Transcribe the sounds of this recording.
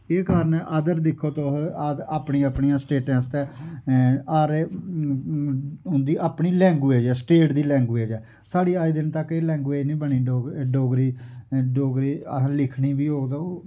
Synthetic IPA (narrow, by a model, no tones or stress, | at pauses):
eːkaːɾənʔəd̪əɾd̪ɪkʰːoːt̪oɦ̪aːpɳiːapɳiːãːsʈeːʈãːst̪ɛː | aːɾe | ɦʊ̃nd̪iːʔaːpɳiːlɛ̃ːŋɡʋeːd͡ʒɛːsʈeːʈd̪iːlɛ̃ːŋɡʋeːd͡ʒɛː | saːɽiːaːiːd̪ɪnt̪əkːeːlɛ̃ːŋɡʋeːd͡ʒnĩːbəniːɖoːɡɾiːɖoːɡɾiːlɪkʰniːbiːɦoːd̪o